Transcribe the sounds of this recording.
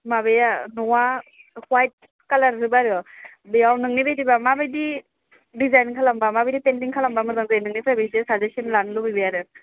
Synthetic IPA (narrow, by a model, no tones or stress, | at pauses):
mabejanɔwahwajt̚ | kalaɾɾɯbaɾɯ | bijawnɯŋnibejtibamabɯjdi | dizajnkʰalambamabejdipendiŋkʰalambamɯzaŋzajnɯŋnipʰajbejsesazesinlanlɯbɯjbɯjaɾɯ